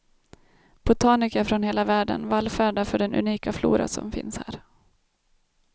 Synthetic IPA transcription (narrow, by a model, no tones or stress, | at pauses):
b̥ʊt̪ʰɑːnɪkæfɾɔnheːlavæːɖə̰nvalfæːɖafœɖɛnɵ̰niːkaflṵːɾa̰sɔ̰mfɪ̰nshæːɾ